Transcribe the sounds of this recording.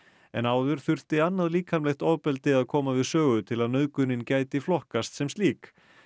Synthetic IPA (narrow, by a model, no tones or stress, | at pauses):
ɛ̰naːwðʏɾ̥θʏr̥t̪ɪanːaðliːkʰamlɛxt̪ɔwpɛlt̪ɪaðkʰɔːmavɪðsœːɣʏt̪ʰɪlaðnœːðkʏnːɪncaːjt̪ɪflɔhkast̪sɛmst̪iːk